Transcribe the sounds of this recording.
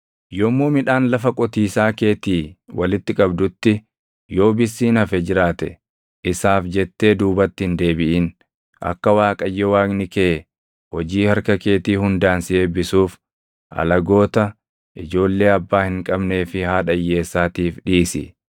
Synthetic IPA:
jɔmːuːmɪᶑaːnlɐfɐkʼɔt̪iːsaːke̞ːt̪iːwɐlɪt̪ːɪkʼɐbd̪ʊt̪ːɪ | jo̞ːbɪsːiːnɐfɛd͡ʒɪɾaːt̪ɛ̰ | ʔɪsaːfd͡ʒɛt̪ːe̞ːd̪uːbɐt̪ːɪhɪnd̪e̞ːbɪʔiːn | ʔɐ̰kːɐwaːkʼɐjːɛwaːknɪke | hɔd͡ʒiːhɐɾkɐke̞ːt̪iːhʊnd̪aːnsɪeːbɪsuːf | ʔɐ̰lɐɡo̞ːt̪ɐ | ʔɪd͡ʒo̞ːlːe̞ːɐbːaːhɪŋkʼɐbne̞ːfɪhaːᶑɐjːe̞ːsːaːt̪iːfᶑiːsɪ̰

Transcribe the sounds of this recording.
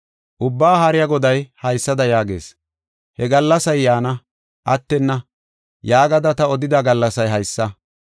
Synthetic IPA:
ʔʊbːaːɦɐɾɪjɐɡɔd̪ɐjhɐjsːɐd̪ɐjaːɡḛːs | hɛɡɐlːɐsɐjːaːnɐ | ʔɐt̪ːɛnːɐ | jaːɡɐd̪ɐt̪ɐɔd̪ɪd̪ɐɡɐlːɐsɐjɦɐjsːɐ

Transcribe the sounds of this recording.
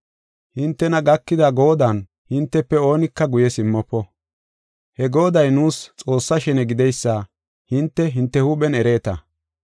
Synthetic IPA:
hɪnt̪ːɛnɐɡɐkːɪd̪ɐɡo̞ːd̪ɐn | hɪnt̪ːɛpːɛo̞ːnɪkːɐɡʊjɛsɪmːɔpːɔ | hɛɡo̞ːd̪ɐjnuːst͡sʼo̞ːsːɐʃɛnɛɡɪd̪ɛjsːa | hɪnt̪ːɛɦɪnt̪ːɛhuɓɛnɛɾe̞ːt̪ɐ

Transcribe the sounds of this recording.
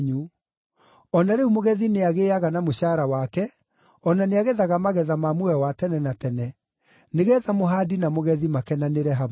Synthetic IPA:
ɲu | ɔnaɾeumoɣɛðineaɣeaɣanamoɕaɾawakɛ | ɔnaneaɣɛðaɣamaɣɛðamamwɛwatɛnɛnatɛnɛ | neɣɛðamoɦadinamoɣɛðimakɛnaneɾɛɦa

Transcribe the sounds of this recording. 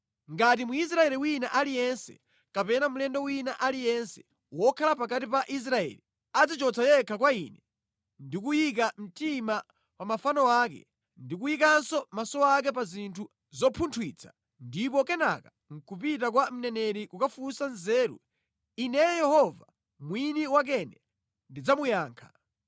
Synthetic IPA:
ŋɡat̬imuis̬ɾaɛliwinaʔalijɛnsɛ̰ | kapɛnamulɛndɔwinaʔalijɛnsɛ̥ | wɔkʰalapakatipaʔis̬ɾaɛ̰li | ad͡zit͡ʃɔt͡sʰajɛkʰakwaḭnɛ | ndik̬ujik̬am̩tima | pamafanɔwaːkɛ̰ | ndik̬ujik̬ansɔmasɔak̬ɛpazintʰu | zɔpʰuntʰwit͡sʰḁ | ndip̬ɔkɛna̰ka | ŋ̩kupit̬ak̬wam̩nɛnɛɾikukafusanzɛːɾṵ | inɛjɛhɔva | mwiniwak̬ɛnɛ | ndid͡zamujaːŋkʰḁ

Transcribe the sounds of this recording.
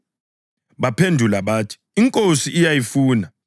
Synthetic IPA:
ɓapʰendʱulaɓaːtʰi̥iŋkʼosiʔijajifuːna

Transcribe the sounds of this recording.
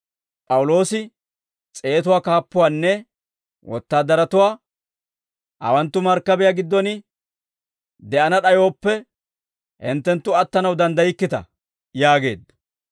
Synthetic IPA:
pʼɐwʊlo̞ːsɪ | t͡sʼe̞ːt̪ʊwaːkaːpːʊwaːnːɛ | wʔɔ̰t̪ːaːd̪ːɐɾɐt̪ʊwaː | ʔɐ̰wɐnt̪ːʊmɐɾkːɐbɛjaːɡɪd̪ːɔnɪ | d̪ɛʔɐnɐɗɐjo̞ːpːɛ | hɪ̰nt̪ːɛnt̪ːʊɐt̪ːɐnɐwd̪ɐnd̪ɐjɪkːɪt̪ɐ̰ | jaːɡe̞̰ːd̪ːɐ

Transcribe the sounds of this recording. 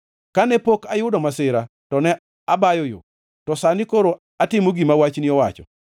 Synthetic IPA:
kanɛpokajʊdɔmasɪɾa | tɔnɛ | abajɔjo̰ | tɔsanɪkoɾo | atɪmoɡimawat͡ʃnɪɔwat͡ʃɔ̰

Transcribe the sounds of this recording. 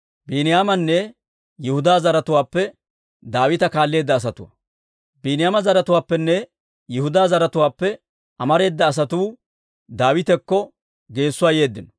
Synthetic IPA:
binɪjaːmɐnːɛ | jɪhʊd̪aːzɐɾɐt̪ʊwaːpːɛ | d̪aːwɪt̪ɐkaːlːe̞ːd̪ːɐːs̬ɐt̪ʊwɐ̰ | biːnɪjaːmɐzɐɾɐt̪ʊwaːpːɛnːɛ | jɪhʊd̪aːzɐɾɐt̪ʊwaːpːɛ | ʔɐmɐɾe̞ːd̪ːɐːs̬ɐt̪uː | d̪aːwɪt̪ɛkːɔ | ɡe̞ːsːʊwaːje̞ːd̪ːɪnɔ̥

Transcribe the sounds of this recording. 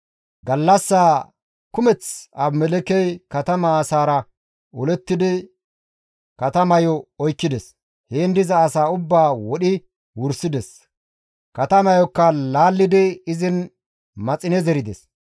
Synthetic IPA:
ɡɐlːɐsːaː | kʊmɛt͡sɐbmɛlɛkɛjkɐt̪ɐmɐːsaːɾɐ | ɔlɛt̪ːɪd̪ɪ | kɐt̪ɐmɐjɔɔjkːɪd̪ɛs | heːnd̪ɪzɐːsaːʊbːaːwɔɗɪ | wʊɾsɪd̪ɛs | kɐt̪ɐmɐjɔkːɐlaːlːɪd̪ɪɪzɪn | mɐt͡sʼɪnɛzɛɾɪd̪ɛs

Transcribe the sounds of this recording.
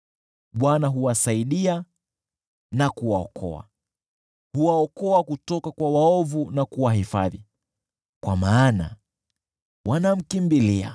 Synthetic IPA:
ɓwanaɦuwasaiɗia | nakuwaɔkʰɔ̰a̰ | huwaɔkɔakutɔkakwawaɔvunakuwahifa̰ði | kwa̰maːna̰ | wʔanam̩kimbilia̰

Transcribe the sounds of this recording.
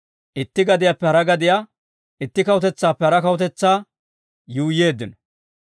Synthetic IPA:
ʔɪt̪ːɪɡɐd̪ɪjapːɛhɐɾɐɡɐd̪ɪja | ɪt̪ːɪkɐwʊt̪ɛt͡sːaːpːɛhɐɾɐkɐwʊt̪ɛt͡sːaː | juːjːe̞ːd̪ːɪnɔ

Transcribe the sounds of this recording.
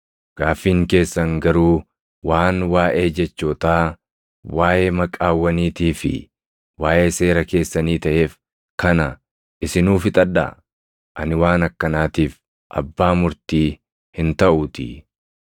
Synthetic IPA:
ɡ̥aːfːiːŋke̞ːsːɐŋɡɐɾuː | waːnwaːʔe̞ːd͡ʒɛt͡ʃːoːt̪aː | waːjeːmɐkʼaːwːɐniːt̪iːfɪ̰ | waːʔe̞ːse̞ːɾɐke̞ːsːɐniːt̪ɐʔe̞ːf | kɐnɐ | ʔɪsɪnuːfɪt̪ʼɐd̪ːa̰ | ʔɐnɪwaːnɐkːɐnaːt̪iːf | ʔɐ̰bːaːmʊɾt̪iː | hɪnt̪ɐʔʊt̪ɪ̰

